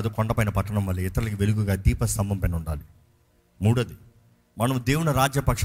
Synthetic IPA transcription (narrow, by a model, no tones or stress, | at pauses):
d̪ukɔɳɖɐpɐjnɐpɐʈːɐɳɐmʋɐlːiɪt̪ɐɾɐlikiʋe̞luɡuɡaːd̪iːpɐst̪ɐmbɐmpɛnuɳɖaːli | muːɽɐd̪i | mɐnɐmud̪eːwuɳɐɾaːd͡ʒjɐpɐkʂ